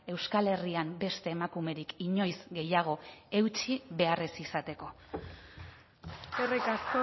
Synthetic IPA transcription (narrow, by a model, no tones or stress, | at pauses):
e̞wskale̞riambe̞st̪e̞ːmakume̞ɾikiɲo̞jzɡe̞jaɣ̞o̞e̞wt͡ʃiβe̞aresisat̪e̞ko̞ | erejkasko